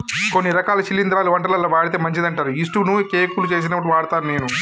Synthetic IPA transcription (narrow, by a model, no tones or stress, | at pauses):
ko̞nːiɾɐkaːlɐʃilːind̪ɾaːluʋɐɳʈɐlɐlːɐʋaːɽit̪̬eːmɐɲt͡ʃid̪ɐɳʈaːɾuisʈunukeːkulut͡ʃe̞ːs̬inɐpːɐʈiʋaːɽt̪aːnune̞ːnu